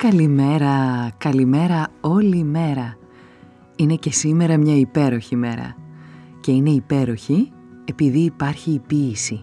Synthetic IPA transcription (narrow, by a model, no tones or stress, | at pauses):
kɐlime̞ɾɐkɐlime̞ɾɐo̞lime̞ɾɐ | ine̞ce̞sime̞ɾɐmɲɐipe̞ɾo̞çime̞ɾɐ̰ce̞ine̞ipe̞ɾo̞çi | e̞piðiːpɐɾçiːpiːsi